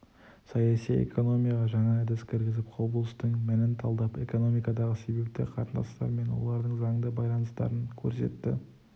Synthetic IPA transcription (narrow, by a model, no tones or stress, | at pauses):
sɑjɑsijḛkʰo̞no̞mijɑʁɑʒɑɴɑd̪ɪskʲʰɪɾɡʲɪzɪpqʰoblˠəst̪əɴmɪnɪnt̪ʰɑlˠd̪ɑpe̞ko̞no̞mijkɑd̪ɑʁəse̞be̞p̚t̪ɪ̰qʰɑ̰ɾənd̪ɑ̰st̪ɑ̰ɾme̞nwo̞̰lˠɑɾd̪əɴzɑŋd̪əbɑjlˠɑnəst̪ɑ̰ɾəŋkʲʰɵɾse̞̰t̪ːɪ̰